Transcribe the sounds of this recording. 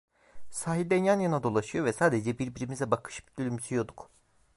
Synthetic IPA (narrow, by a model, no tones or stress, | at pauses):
saːɦid̪ɛnjanjanad̪o̞lˠaʃɯjo̞vɛsaːd̪ed͡ʒɛbiɾbiɾimizɛbakʰɯ̥ʃɯ̥pd̪ylʲymysyjo̞d̪uk